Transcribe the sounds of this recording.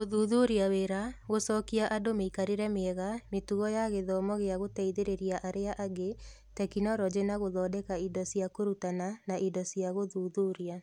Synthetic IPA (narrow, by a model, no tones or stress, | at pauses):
ɣoðuːðuɾiaweɾaɣosɔːkiaʔadomeikaɾeɾɛmeɛɣametuɣɔjaɣeðɔːmɔɣeaɣotɛiðeɾeɾiaʔaɾeaʔaɡe | tɛkinɔɾɔd͡ʑenaɣoðɔːdɛkaindɔsiakoɾutananaʔidɔsiaɣoðuːðuɾia